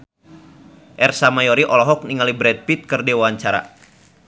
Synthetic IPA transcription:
ʔɛrsamajɔɾiʔɔlɔɦɔk̚niŋalibɾɛd̪̚pit̪̚kɨrdiwaɲt͡ʃaɾa̰

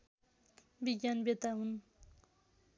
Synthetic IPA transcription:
biɡjanbet̪aɦun

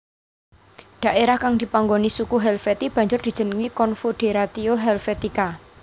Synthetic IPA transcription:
d̪̥ä̤ʔeɾahkaŋd̪̥i̤paŋɡonisukuɦɛlfet̪ib̥ä̤ɲd͡ʒʊrd̪̥i̤̥d͡ʒ̥ə̤nəŋikɔnfud̪̥e̤ɾat̪ioɦɛlfet̪ika

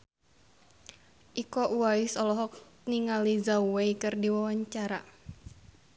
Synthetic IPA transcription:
ʔikɔʔuaisɔlɔɦɔk̚ | niŋalizawwejkɨrdiwawaɲt͡ʃaɾa

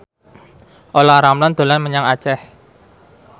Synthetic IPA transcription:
ʔolaɾamland̪̥o̤lanməɲaŋat͡ʃɛh

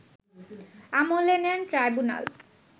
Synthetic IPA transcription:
amolenenʈɾajbuna̰l

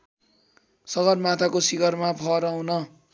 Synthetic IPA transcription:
sʌɡʌrmat̪ʰakosiɡʌrmapʰʌɾawnʌ

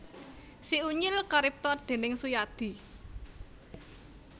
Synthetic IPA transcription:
siuɲɪlkaɾip̚t̪ɔrd̪̥e̤nɪŋsujad̪̥i̤

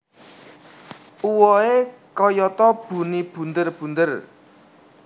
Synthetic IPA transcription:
uwɔekɔjɔt̪ɔb̥ṳnib̥ṳnd̪ərb̥ṳnd̪ər

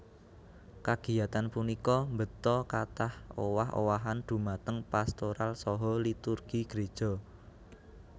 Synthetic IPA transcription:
kaɡ̥i̤jat̪anpunikɔmbət̪ɔkat̪ahowaɦo̰waɦand̪̥ṳmat̪əŋpast̪oɾalsɔɦɔlit̪urɡ̥iɡ̥ɾe̥ʒ̥ɔ̤

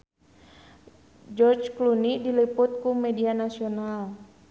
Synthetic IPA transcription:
d͡ʒɔrd͡ʒklunidiliput̪̚kumɛdianasional

